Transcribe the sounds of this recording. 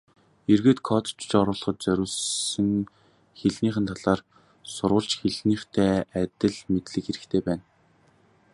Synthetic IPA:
erɣeːt̪kʰɔt̪t͡ɕt͡ɕɔɾʊːɮ̆χɞ̆t̪̚t͡sœɾʲʊːɮɘ̆ŋ | xeɮniːχɘ̆nt̪ʰaɮaːr | sʊɾʁʊ̆ɮt͡ɕxeɮniːχt̪ʰæːæt̪ʲɘ̆ɮmet̪ɮɘ̆kxeɾɘ̆kt̪ʰeːpæːn

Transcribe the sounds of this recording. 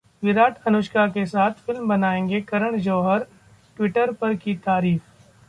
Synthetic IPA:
ʋɪɾaːʈʰɐnʊʃkakesaːt̪ʰfɪlmbɐnaːẽːŋɡekɐɾəɽ̃d͡ʒɐːɦəɾ | ʈwɪʈəɾpɐɾkit̪aːɾiːf

